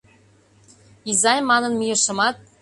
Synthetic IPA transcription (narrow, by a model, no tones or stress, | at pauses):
izɑjmɑnɤ̆nmijɤ̆ʃɤ̆mɑt̪̚